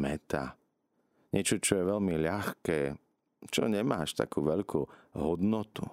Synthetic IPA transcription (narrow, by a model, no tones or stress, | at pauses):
mɛt̪a̰ | ɲɛt͡ʃɔt͡ʃɔjɛʋɛʎmiʎaxkɛː | t͡ʃɔ̰ɲɛmaːʃt̪a̰kuːʋɛʎkʰuɦɔd̪nɔt̪u